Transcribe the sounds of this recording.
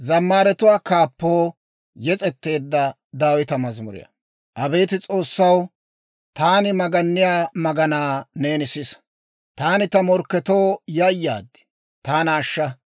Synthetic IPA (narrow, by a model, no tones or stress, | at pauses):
zɐmːaːɾɛt̪ʊwaːkaːpːoː | jɛt͡sʼɛt̪ːe̞ːd̪ːɐ | d̪aːwɪt̪ɐmɐzmʊɾɪ̰jɐ̰ | ʔɐbe̞ːt̪ɪt͡sʼo̞ːsːɐw | t̪aːnɪmɐɡɐnːɪjaːmɐɡɐnaːneːnɪsɪs | t̪aːnɪt̪ɐmɔɾkːɛt̪o̞ːjɐjːa̰ːd̪ɪ̥ | t̪aːnaːʃːɐ